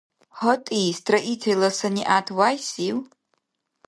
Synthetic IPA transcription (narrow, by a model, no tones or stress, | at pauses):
hɔtʼistʰraʔitʰelasanʲiʔatʰwajsiw